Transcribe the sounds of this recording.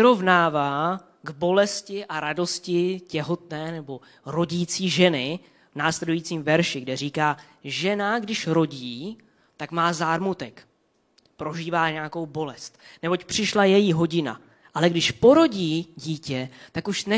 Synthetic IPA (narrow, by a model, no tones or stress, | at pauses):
ɾo̞vnaːvaː | ɡbo̞lɛscɪʔaɾado̞scɪcɛɦo̞t̪nɛːnɛbo̞ | ɾo̞ɟiːt͡siːʒɛnɪ | vnaːslɛdujiːt͡siːmvɛɾʃɪɡdɛriːkaː | ʒɛnaɡdɪʃɾo̞ɟiː | t̪akmaːzaːɾmut̪ɛk | pɾo̞ʒiːvaːɲɛako̞wbo̞lɛst̪nɛbo̞cpr̝̥ɪʃlajɛjiɦo̞ɟɪna̰ | ʔalɛɡdɪʃpo̞ɾo̞ɟiːɟiːcɛt̪akuʃnɛ